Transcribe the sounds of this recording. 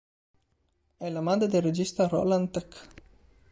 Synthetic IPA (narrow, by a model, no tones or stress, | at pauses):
ɛlamaːd̪ɾed̪elːed͡ʒist̪arɔ̰lant̪ɛk